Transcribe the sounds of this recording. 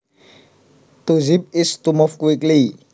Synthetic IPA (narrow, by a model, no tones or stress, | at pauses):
t̪uzip̚ist̪umɔfkuikli